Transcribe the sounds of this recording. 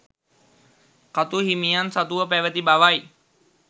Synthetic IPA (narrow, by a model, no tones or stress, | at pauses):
kat̪uɦimijansat̪uʋəpæʋət̪ibaʋaj